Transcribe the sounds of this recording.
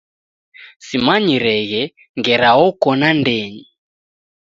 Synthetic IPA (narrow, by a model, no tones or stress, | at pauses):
simaɲiɾɛɣɛ | ŋɡɛɾaɣɔkɔnandɛɲi